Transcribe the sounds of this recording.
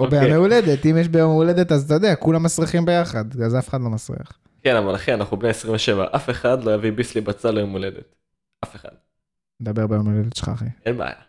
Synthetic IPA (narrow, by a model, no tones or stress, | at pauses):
obejomeuled̪e̞t̪imjeʃbejomeuled̪et̪azt̪ajod̪eakulamːasʁiχimbe̞jaχad̪azafeχad̪lo̞masʁḭa̰χ | kenavalaχenanaχubneesʁiɱveʃe̞va̰ʔafe̞χad̪lojavibislibat͡salojomuled̪ḛt̪ | afeχa̰d̪̥̚ | ned̪abeʁbejomeuled̪et̪ʃe̥χa̰χienbea̰ja̰